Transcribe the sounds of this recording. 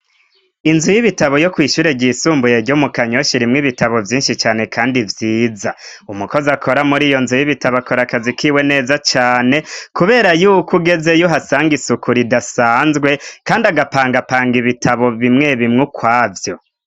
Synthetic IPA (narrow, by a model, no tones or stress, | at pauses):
inzujiβitaβo̞jo̞kwiːʃuːɾe̞ɟiːsuːmbujeɾɟomukaɲo̞ʃiɾimŋiβitaβo̞vjiːnʃit͡ʃaːne̞kʰaːndivjiːzaumuko̞zakʰo̞ɾamuɾiːjo̞nzujiβitaβako̞ɾakazikiːwe̞ne̞ːzat͡ʃaːne̞kuβe̞ːɾajukuɡe̞ze̞joɦasaːŋɡisukuɾidasaːnzɡwe̞kaːndaɡapaːŋɡapaːŋɡiβitʰaβo̞βimŋe̞βimŋukwaːvjo̞